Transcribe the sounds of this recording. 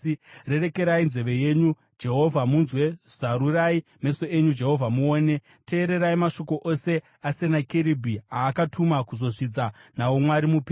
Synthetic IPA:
re̞re̞ke̞ɾainze̞ʋe̞je̞ɲu | d͡ʒe̞ɦo̞vʱamunzwe̞z̥aɾuraime̞so̞eɲud͡ʒe̞ɦo̞vʱamuoːne̞ | te̞ːɾe̞ɾaimaʃo̞ko̞ʔo̞se̞ | ase̞nakeɾibʱiaːkatʰumakuzo̞ʐid͡zanaomwaɾimupi

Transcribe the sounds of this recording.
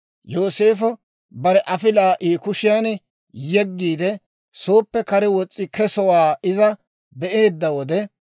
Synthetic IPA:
jo̞ːseːfɔ | bɐɾɛʔɐfɪlaːʔiːkʊʃɪjan | jɛɡːiːd̪ɛ | so̞ːpːɛkɐɾɛwɔt͡sʼːɪkɛsɔwaːɪzɐ | bɛʔeːd̪ːɐwɔd̪ɛ

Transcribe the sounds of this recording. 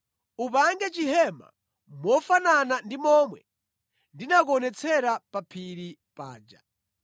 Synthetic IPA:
upaŋɡɛt͡ʃiɦɛma̰ | mwɔfananandimɔːmwɛ̰ | ndinak̬ɔnɛt͡sʰɛɾapapʰiɾipa̰ːd͡ʒa̰

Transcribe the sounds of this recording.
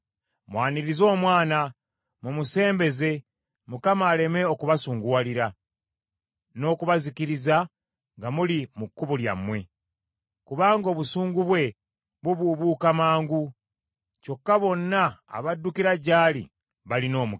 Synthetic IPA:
mwaːniɾizo̞ːmwaːna | mumuse̞ːmbe̞ze̞ | mukamaːle̞me̞o̞kuβasuːŋɡuwaliɾa | no̞ːkuβazikiɾiza | ŋɡamulimukːuβulja̰mwe̞ | kuβaːŋɡo̞ːβusuːŋɡuβwe̞ | βuβuːβuːkamaːŋɡu | co̞kːaβo̞nːa̰ːβadːukiɾaɟaːlḭ | βalino̞ːmu

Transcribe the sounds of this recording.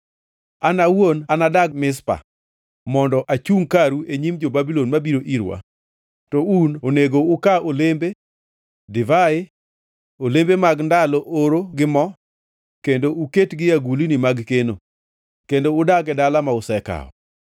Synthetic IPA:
anawonanadaɡmɪs̬pa̰ | mɔndɔʔat͡ʃuŋkaɾueɲimd͡ʒobabilonmabiɾoʔiɾwa̰ | tɔunoneɡoʊkaolembe | dɪvaɪ | olembemaɡndalɔʔoɾoɡɪmɔ | kendouketɡɪjaɡulinɪmaɡkeno | kendoʊdaɡɛdalamaʊsɛka̰ɔ̰

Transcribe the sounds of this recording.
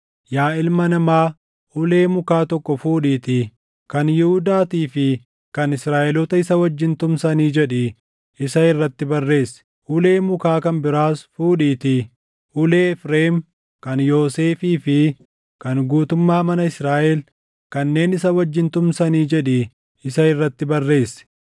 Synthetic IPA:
jaːɪlmɐnɐmaː | ʔʊle̞ːmʊkaːt̪ɔkːɔfuːᶑiːt̪ɪ | kɐnjɛhʊd̪aːt̪iːfɪ | kɐnɪsɾaːʔɛlɔt̪ɐɪsɐwɐd͡ʒːɪnt̪ʊmsɐniːd͡ʒɛᶑɪ | ʔɪsɐɪrːɐt̪ːɪbɐrːe̞ːsːɛ̥ | ʔʊle̞ːmʊkaːkɐnbɪɾaːsfuːᶑiːt̪ɪ | ʔʊle̞ːɛfɾeːm | kɐnjoːseːfiːfɪ | kɐnɡuːt̪ʊmːaːmɐnɐɪsɾaːʔɛl | kɐnːe̞ːnɪsɐwɐd͡ʒːɪnt̪ʊmsɐniːd͡ʒɛᶑɛ | ɪsɐɪrːɐt̪ːɪbɐrːe̞ːsːɛ̥

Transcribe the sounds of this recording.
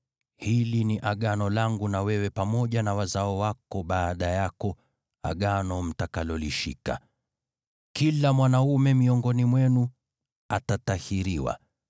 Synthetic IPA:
hiliniʔaɠanɔlaŋɡunawɛwɛpamɔʄanawazaɔwakɔɓaːɗajakɔ | a̰ɠanɔm̩takalɔliʃḭka̰ | kilamwanaumɛmiɔŋɡɔnimwɛnu | atatahiɾiwa̰

